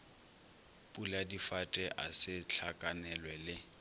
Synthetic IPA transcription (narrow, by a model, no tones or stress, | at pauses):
pʼuladifatʼɛʔasɪt͡ɬʰakʼanɛlwɛlɪ